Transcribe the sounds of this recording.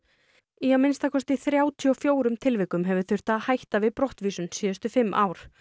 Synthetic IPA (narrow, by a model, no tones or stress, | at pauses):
iawmɪnst̪akʰɔst̪ɪθɾjaːwt̪ʰiɔfjoːwɾʏmt̪ʰɪlvɪːkʏmɦɛvʏθʏr̥t̪aðhajht̪avɪðpɾɔht̪viːsʏnsiːðʏst̪ʏfɪmːʔa̰ːwɾ̥